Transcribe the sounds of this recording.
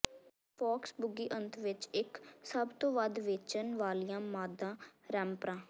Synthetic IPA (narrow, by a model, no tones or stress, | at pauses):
pʰɔːksbʊɡiːʔənt̪ʰʋɪt͡ʃɪksəbt̪õːʋəd̪ʋeːt͡ʃənʋaːlijãːmaːd̪ãːɾɛ̃ːmpɾãː